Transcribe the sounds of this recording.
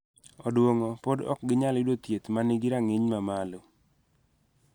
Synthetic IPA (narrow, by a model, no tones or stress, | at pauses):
ɔdwoŋɔpodɔ̰k̚ɡɪɲalɪdwot̪jet̪maniɡiɾaŋeɲmamalo